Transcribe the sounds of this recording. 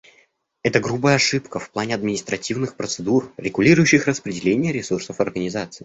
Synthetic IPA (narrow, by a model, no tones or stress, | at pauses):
ɛt̪əɡɾubəjəɐʂɨpkəfplˠanʲɪɐd̪mʲɪnʲɪst̪ɾɐtʲivnɨxpɾət̪sɨd̪urɾʲɪɡʊlʲiɾʊjʊɕːɪxrəspɾʲɪdʲɪlʲenʲɪjəɾʲɪsursəfɐrɡənʲɪzat̪sɨː